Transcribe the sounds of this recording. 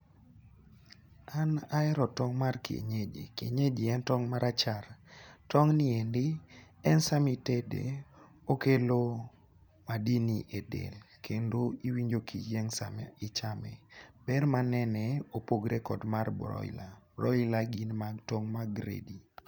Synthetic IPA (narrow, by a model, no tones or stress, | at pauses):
anaɛɾɔtɔŋmarkiḛɲed͡ʒḭkḛɲed͡ʒɪɛntɔŋmaɾʔat͡ʃartɔŋniendɪ | ɛnsamitedḛ | okelo | madiniʔedḛlkʰendoiwiɲd͡ʒokʰid͡ʒɛŋsa̰mɛɪt͡ʃamɛ̰b̥ɛrmanɛnɛopoɡɾekɔdmarbɾɔ̰ɪ̰laɾɔlaɡinmatɔŋmaɡɾḛdi